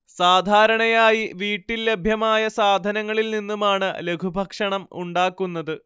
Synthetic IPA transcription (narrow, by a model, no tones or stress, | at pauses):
saːd̪ʱaːɾɐɳɐjaːjiʋiːʈːilːe̞bʱjɐmaːjɐsaːd̪ʱɐnɐŋːɐɭilninːumaːɳɨle̞kʰubʱɐkʂɐɳɐmuɳɖaːkːunːɐðɨ